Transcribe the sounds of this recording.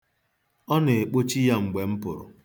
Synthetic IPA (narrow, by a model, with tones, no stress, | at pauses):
ɔ˦ne˨e˨k͡po˦t͡ʃi˦ja˦ŋ͡m̩˨ɡ͡be˨m̩˦pʊ̰˨ɾʊ̰˨